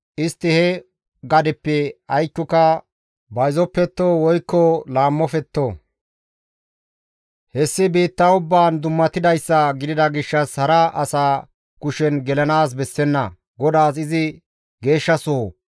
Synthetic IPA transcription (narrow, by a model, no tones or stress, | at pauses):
ʔɪst̪ːɪhɛ | ɡɐd̪ɛpːɛɐjkːʊkɐ | bɐjzɔpːɛt̪ːowɔjkːɔlaːmːɔfɛt̪ːoː | hɛsːɪbiːt̪ːɐʊbːaːnd̪ʊmːɐt̪ɪd̪ɐjsːɐɡɪd̪ɪd̪ɐɡɪʃːɐshɐɾɐʔɐsaː | kʊʃɛnɡɛlɐnaːs̬bɛsːɛnːɐ | ɡɔd̪aːs̬ɪzɪ | ɡe̞ːʃːɐsɔo